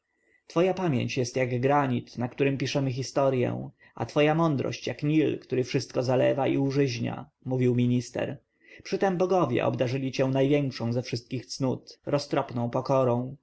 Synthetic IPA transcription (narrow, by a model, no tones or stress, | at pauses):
t̪fɔjapamʲjḛɲt͡ɕjɛst̪jaɡɡɾaɲit̪nakt̪uɾɘmpʲiʂɛmɘxʲist̪ɔɾjɛ̰̃w̃ | a̰t̪fɔjamɔnd̪ɾɔ̰ɕt͡ɕjakɲilkt̪uɾɘfʂɘst̪̚kɔzalɛ̰vaḭuʐɘʑɲa̰ | muvʲiwmʲiɲist̪ɛ̰ɾ | pʂɘt̪ɛmbɔɡɔvʲjɛ̰ʔɔ̰bd̪aʐɘlʲit͡ɕɛw̃najvʲjɛŋkʂɔ̃w̃zɛfʂɘst̪̚kʲixt̪snut̪ɾɔst̪ɾɔpnɔ̃w̃pɔkɔɾɔ̃w̃